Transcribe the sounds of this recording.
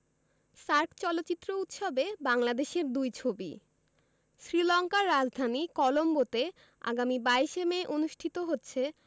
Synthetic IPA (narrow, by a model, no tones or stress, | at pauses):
ʃaɾkt͡ɕɔlotːt͡ɕit̪ːɾout̪ʃobebaŋlad̪eʃeɾd̪ujt͡ɕʰobḭ | ʃɾilɔŋkaɾːad͡ʑd̪ʱanikɔlombot̪e | a̰ɡamibajʃemeːʔonuʃʈʰit̪oɦotːɕʰe